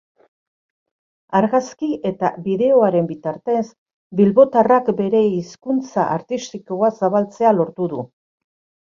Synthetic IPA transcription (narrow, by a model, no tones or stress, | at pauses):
aɾɣaskie̞t̪aβiðe̞o̞aɾe̞mbit̪aɾt̪e̞s | bilβo̞t̪arakbe̞ɾe̞iskunt͡saʔaɾt̪ist̪iko̞asaβ̞alt͡se̞alo̞ɾt̪uðu